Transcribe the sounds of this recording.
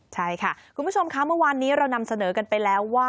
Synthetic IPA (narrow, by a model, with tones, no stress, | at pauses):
t͡ɕʰa˥˩jkʰa˥˩kʰu˧nbʰo˧mkʰa˦˥mɯ˥˩əwaː˧nːiː˦˥ɾa˧wna˧msa˧nɤː˩˦ka˧npa˧jlɛː˦˥wːaː˥˩